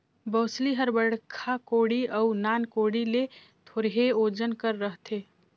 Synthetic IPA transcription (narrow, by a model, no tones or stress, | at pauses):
bəːsliɦəɾbəɽkʰakoɽiʔəʊnankoɽile | t̪ʰoɾɦeod͡ʒənkəɾːəɦt̪ʰe